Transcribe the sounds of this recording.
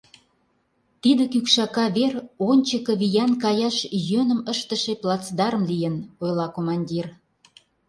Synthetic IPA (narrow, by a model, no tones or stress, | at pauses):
t̪id̪ə̆kykʃɑkɑβeronʲt͡ɕəkə̆βijɑnkɑjɑʃjønə̆məʃt̪əʃeplˠɑt͡sd̪ɑɾə̆mlijə̆nojlˠɑkomɑnʲdʲir